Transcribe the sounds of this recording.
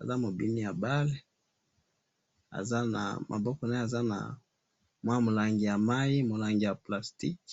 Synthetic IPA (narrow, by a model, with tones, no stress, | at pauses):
a˨za˦mo˨bi˦ni˦ja˨ba˦le˦ | a̰˨za˦na̰˨mʔa̰˨bɔ˦kɔ˨na˦e˦a˨za˦na̰˨ | mwa˦mo˨la˨ŋɡi˨ja˨ma˦i˦mo˨la˦ŋɡi˨ja˨pla˨sti˦k